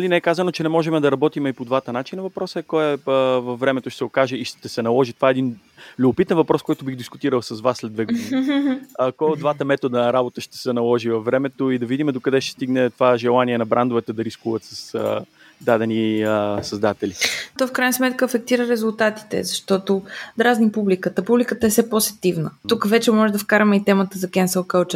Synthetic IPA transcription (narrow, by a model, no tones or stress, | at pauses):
ɐlinɛɛkazənot͡ʃɛnɛmɔʒɛmɛd̪ɐɾɐbɔt̪imɛipod̪vat̪ənat͡ʃinəvɐpɾɔsəɛkɔɛvɐfːɾɛmɛt̪oʃtɛsɛokaʒɛiʃt̪ɛsɛnɐlˠɔʒit̪ovaɛːd̪in | lʲubʊpit̪ɛnvɐpɾɔskɔjt̪obiɣd̪iskʊt̪iɾəlˠsɐzvasːlɛd̪vɛɡod̪ni | kɔjd̪vat̪əmɛt̪od̪ənɐɾabot̪əʃt̪ɛ̥sɛnɐlˠɔʒivɐfvːɾɛmɛt̪oid̪ɐvid̪imɛd̪okɐd̪ɛʃt̪ɛ̥st̪iɡnɛt̪ovaʒɛlˠaniɛnɐbɾand̪ovɛt̪ɛd̪ɐɾiskuvət̪sɐsə̰ | d̪ad̪ɛnisɐzd̪at̪ɛlit̪ɔfkɾajnəsmɛt̪kəɐfɛk̚t̪iɾəɾɛzulˠt̪at̪i̥t̪ɛ̰zɐʃt̪ɔt̪od̪ɾaznipublikət̪əpublikət̪əɛfsɛposɛ̥t̪ivnət̪ukəvɛt͡ʃɛmɔʒɛd̪ɐfkaɾɐmɛit̪ɛmət̪əzɐkɛnsəlˠkəlt͡ʃ